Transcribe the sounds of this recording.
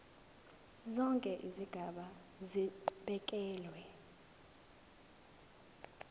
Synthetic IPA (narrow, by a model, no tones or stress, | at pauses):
zɔŋkʼɛʔiziɡ̥ʱaɓa | ziǃɓɛkʼɛːlwɛ